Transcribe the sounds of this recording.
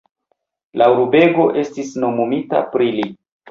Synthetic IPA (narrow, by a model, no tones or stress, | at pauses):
lauɾube̞ɡo̞ʔe̞stisno̞mumita̰pɾili